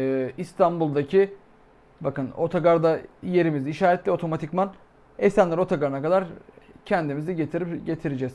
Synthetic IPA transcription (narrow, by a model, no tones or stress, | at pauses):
ist̪ʰanbulˠd̪acʰi | bakɯno̞t̪ʰaɡaɾd̪aje̞ɾimiziʃaːɾɛt̪lʲɛo̞t̪ʰo̞mat̪ʰicman | esænlʲɛɾo̞t̪ʰaɡaɾɯnakad̪aɾcʰɛnd̪imiziɟet̪ʰiɾiɟe̞t̪ʰiɾed͡ʒɛz̥